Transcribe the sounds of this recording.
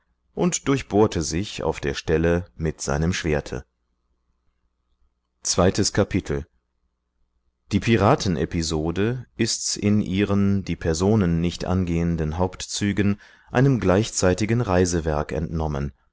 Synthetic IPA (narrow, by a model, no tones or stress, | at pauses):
ʔʊntd̥ʊɐçb̥oːɐtʰəzɪça̰ʊfd̥eːɐʃtɛləmɪtz̥a̰ɪnəmʃv̥eːɐtʰə̰ | t͡sv̥aɪtəskʰapʰitʰl̩ | d̥iːpʰiʁaːtʰn̩ʔɛ̰pizoːdəʔɪstɪnʔiːʁəndiːpʰɛɐzoːnənːɪçtʔa̰nɡeːəndənɦaʊptt͡syːɡən | ʔa̰ɪnəmɡlaɪçt͡saɪtɪɡən̩ʁaɪzəvɛɐkɛ̰ntnɔmə̰n